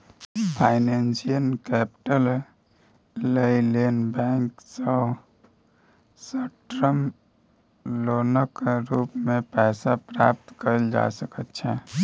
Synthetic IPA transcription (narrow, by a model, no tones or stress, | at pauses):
pʰaɪnensijənkɛpʈəl | ləilenbɛ̃ŋksə | səʈɾəm | loːnəkɾuːpmẽpɛːsapɾap̚t̪kəɾld͡ʒa̰səkət̪t͡ʃʰɛ